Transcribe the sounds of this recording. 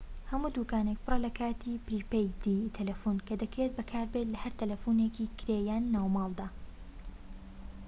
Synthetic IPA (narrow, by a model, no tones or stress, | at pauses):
hɐmuːd̪uːkaːnek̚pʰɨrˤɛlɐkʰaːt̪ʰiːpɾiːpejd̪iːt̪ʰɐlɐfuːnkʰɐd̪ɐkɾet̪̚bɐkʰaːɾbet̪lɐhɐɾt̪ʰɐlɐfuneːkiːkʰɪɾeːjaːnːaːwmɑːlˠd̪aː